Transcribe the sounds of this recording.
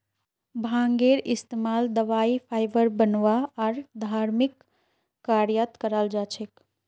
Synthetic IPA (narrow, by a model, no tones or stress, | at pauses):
bʱãŋɡeɾist̪emaːld̪əʋaipʰajbəɾbənʋaaɾd̪ʱaɾmikː | aɾjət̪kəɾəld͡ʒat͡ʃʰek